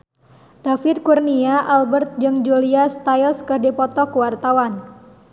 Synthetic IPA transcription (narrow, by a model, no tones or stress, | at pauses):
d̥afɪt̪̚kurniaʔalbərt̪̚d͡ʒɨŋd͡ʒuliast̪ailskɨrdipɔt̪ɔkuwart̪awan